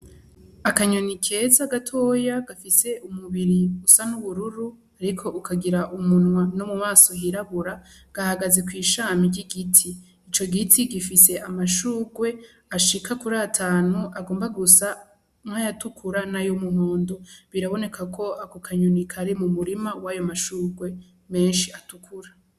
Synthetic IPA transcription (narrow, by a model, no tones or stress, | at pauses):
akaɲo̞nikʰe̞zaɡatʰo̞ːjaɡafise̞umuβiɾiusanuβuɾuɾu | aɾikʰo̞ʔukʰaɡiɾaʔumunwanomumaːso̞ɦiɾaβuɾa | ɡ̥ahaɡaze̞kwiːʃaːmiɾɟiɡitʰiː | t͡ʃo̞ɡitʰiɡifise̞ʔamaʃuːɡwe̞ | aʃikʰakuɾaːtʰaːnuʔaɡoːmbaɡusa | mŋajatukʰuɾanajomuho̞ːndo̞βiɾaβo̞ne̞kʰakʰo̞akukʰaɲonikʰaɾemumuɾimawajomaʃuːɡwe̞ | me̞ːnʃiatukʰuɾa